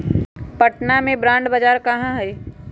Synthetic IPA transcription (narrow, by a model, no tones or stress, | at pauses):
pɐʈnamẽbɾãːɳɖbɐd͡ʒaːɾkɐɦãɦɛː